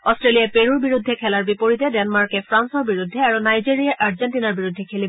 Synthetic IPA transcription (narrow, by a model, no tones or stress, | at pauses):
ɔstɹelijapeɹuɹbiɹud̪ʱːɛkʰɛlaɹbipoɹitɛdɛnmaɹkɛpʰɹansɔɹbiɹudʱːɛaɹunajziɹijaʔaɹzɛntinaɹbiɹudʱːɛkʰeli